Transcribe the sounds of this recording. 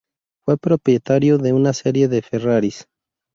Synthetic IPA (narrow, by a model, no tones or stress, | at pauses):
fwe̞pɾo̞pɾjet̪aɾjoðe̞unaseɾje̞ðeferaɾis